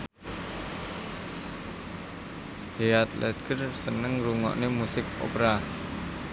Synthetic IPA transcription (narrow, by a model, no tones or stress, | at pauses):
heat̪̚lʔɛt̪̚ɡərsənəŋɾuŋɔ̰ʔnemusɪk̚o̰pɾa